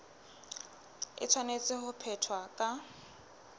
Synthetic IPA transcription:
ɪ̰t͡sʰwanet͡sʼɪhʊpʰɛtʰwakʼa

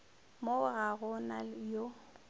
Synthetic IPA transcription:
moɣaɣʊnajo

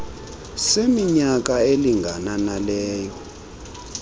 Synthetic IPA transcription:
semiɲak̬ʼaeliŋɡʱananalɛːjɔ

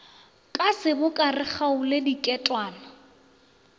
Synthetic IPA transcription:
kʼasɪbʊkʼarɪχaʊledikʼɛtʼwaːnɔ

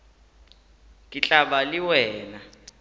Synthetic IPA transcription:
kʼit͡ɬʼaɓaliwɛːna

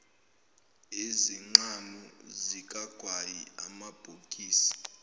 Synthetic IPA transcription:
eziŋ͡ǀanuzikʼaɡ̥ʱwajiamab̥ʱokʼiːsḁ

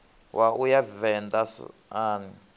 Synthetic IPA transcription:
wʔaʔujavɛnd̪asaːni

